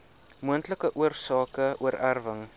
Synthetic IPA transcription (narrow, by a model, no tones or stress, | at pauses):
muəntləkəʔuərsɑːkəʔuəɾærvəŋ